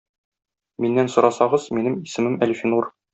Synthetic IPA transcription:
minːænsŭɾɑsɑʁɤz̥minɘmisɘ̆mɘmælʲfʲinur

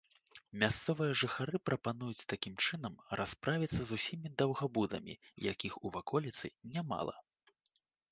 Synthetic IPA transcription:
mʲast̪sɔvɨjɐʐɨxaɾɨpɾɐpanujut͡sʲt̪akʲimt͡ʂɨnɐmɾʔaspɾʔavʲit̪sːɐzusʲimʲid̪ɐwɣabud̪ɐ̰mʲḭja̰kʲixuvakʰɔlʲit̪sɨnʲama̰lˠɐ̰

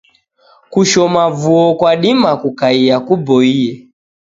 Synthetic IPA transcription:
kuʃɔmavuɔkwaɗimakukaiakubɔiɛ

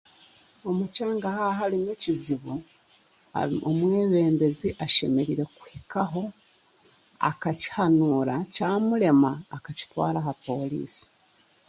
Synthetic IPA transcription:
o̞mucaːŋɡahaɦalineciziβṵ | omwe̞ːβe̞ːmbe̞ziʔaʃe̞me̞ɾiɾe̞ku̥hekaɦo̞ | a̰kaci̥hanuːɾacaːmuɾe̞maːkaci̥twa̰ːɾaɦapo̞ːlḭːsi̥

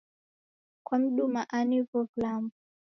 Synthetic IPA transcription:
kwam̩ɗumaʔanivɔvlambu

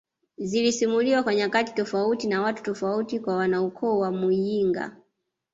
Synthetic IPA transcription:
zilisimuliwakwaɲakati̥tɔfautinawatu̥tɔfautikwawanaukʰɔwamujiŋɡa̰

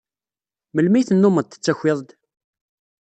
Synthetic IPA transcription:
məlmijθənːʊməd̪θə̥t͡sːæçʷːɪðˤd̪

